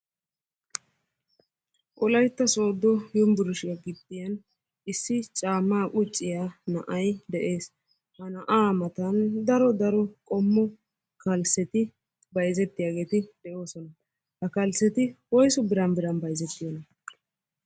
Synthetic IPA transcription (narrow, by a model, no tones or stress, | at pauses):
ʔɔlɐjt̪ːɐso̞ːd̪ːɔjʊmbʊɾʊʃɪjɐɡɪd̪ːɪjɐn | ɪsːɪt͡ʃʼaːmːaːʔʼʊt͡ʃʼːɪjanɐ̰ʔɐjd̪ɛʔe̞ːs | hɐnɐʔaːmɐt̪ɐnd̪ɐɾɔd̪ɐɾɔkʼɔmːɔ | kɐlsɛt̪ɪ | bɐjzɛt̪ːɪjaːɡe̞ːt̪ɪd̪̥ɛʔo̞ːsɔnɐ | hɐkɐlsːɛt̪ɪwɔjsɔbɪɾɐnbɪɾɐnbɐjzɛt̪ːɪjɔnɐ